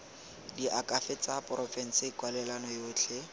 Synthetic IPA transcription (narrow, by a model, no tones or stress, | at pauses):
diʔakʼafɪt͡sʼapʼrɔfɛn̩sɪkwalɛlanɔjoːt͡ɬʰɛ